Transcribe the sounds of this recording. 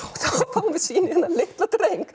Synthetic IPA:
θafawmvɪðsiːnɪhɛnːalɪht̪lat̪ɾejŋk

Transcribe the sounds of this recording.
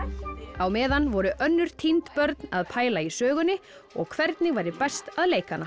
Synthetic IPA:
awmɛːðanvɔɾʏʔœnːʏɾ̥t̪ʰint̪pœɾt̪naðpʰaːjlaisœːɣʏnːɪ | ɔ̰ɣkʰvɛɾt̪nɪvaːjɾðɪpɛst̪aðleːjkanːa

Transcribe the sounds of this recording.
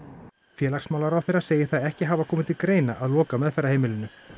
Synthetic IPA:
fjɛːlaksmawlaɾawθejɾḁseːjɪθaðɛhcɪɦaːvakʰɔːmɪt̪ʰɪlkɾeːjnaʔaðlɔːkamɛðfɛɾahejmɪlɪnːʏ

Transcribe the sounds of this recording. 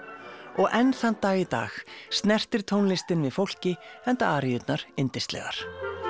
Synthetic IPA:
ɔɣʔɛnθant̪ːaːɣit̪a̰ːxst̪nɛr̥t̪ɪɾ̥t̪ʰownlɪst̪ɪnvɪðfowl̥cɪɛnt̪aaːɾjʏt̪naɾ̥ɪnt̪ɪst̪lɛ̰ɣa̰ɾ̥

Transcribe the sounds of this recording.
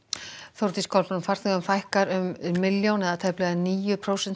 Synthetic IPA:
θowɾt̪iskʰɔlpnʏfar̥θθɪɣʏmfajhkaɾʏmːɪljownɛðat̪ʰɛhplɛɣaniːjʏpʰɾowsɛnt

